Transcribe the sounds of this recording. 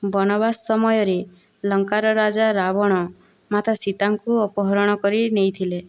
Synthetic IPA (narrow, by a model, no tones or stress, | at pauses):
bɔnɔbasːɔmɔjɔɾe | lɔŋkaɾɔɾad͡ʒaɾabɔɽ̃ɔ | mat̪ʰasit̪aŋkuɔpɔɦɔɾɔɽ̃ɔkɔɾinejt̪ʰile